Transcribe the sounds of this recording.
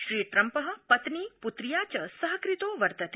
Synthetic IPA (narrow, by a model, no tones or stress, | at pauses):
ʃɾiːʈɾɐmpəɦɐ̆pɐt̪niːput̪ɾijaːt͡ʃɐsɐɦɐkɾit̪oːʋɐɾt̪ɐt̪